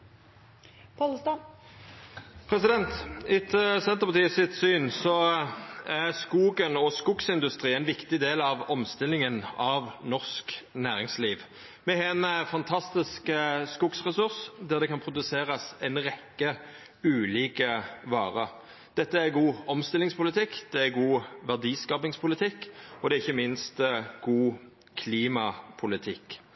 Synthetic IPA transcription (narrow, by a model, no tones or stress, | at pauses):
pʰɑlst̪ɑ | pʰɾɛsɪd̪ɛnt̪ɪt̪ʰːəsɛnt̪əpʰɑt̪iːəsɪt̪syːnsɔ | æʁskuːɡənɔskʊksɪnd̪ʉst̪ʁiːɛɪnʋɪkt̪ɪd̪eːlɑʋɔmst̪ɪlːɪŋənɑʋnɔʁsknæːʁɪŋsliːʋ | mɛhɛnfɑnt̪ʰɑst̪ɪskskʊksʁɛsʉʁsd̪æʁd̪ɛkʰɑnpʰʁʊd̪ʉseːʁɑsɛɪnʁɛkːə | ʉːliːkəʋɑːʁə | d̪̥ɛt̪ːəæɡuːɔmst̪ɪlɪŋspʊlɪt̪ʰɪkːd̪̥ɛæɡuːʋæʁd̪iːskɑːpɪŋspʰʊlɪt̪ʰɪkːɔd̪ɛɪçːəmɪnst̪ɡ̥uː | kʰliːmɑpʰʊlɪt̪ʰɪkː